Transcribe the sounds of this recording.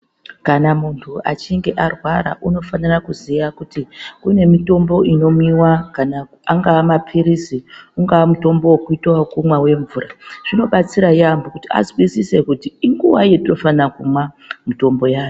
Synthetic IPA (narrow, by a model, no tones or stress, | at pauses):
kanamuntʰua̰t͡ʃiŋɡe̞ʔarwaɾa̰ʔuno̞fanirakuzijakutikune̞mito̞mbo̞ʔino̞miwakana | aŋɡaamapʰiɾisiuŋɡawamuto̞mbo̞wokuitwakumwawe̞ɱvuːraʐ̥ino̞ɓat͡siɾajambokutia̰zwisise̞kutiiŋɡuwaje̞tino̞fanakumwa | mito̞mbo̞jaːjo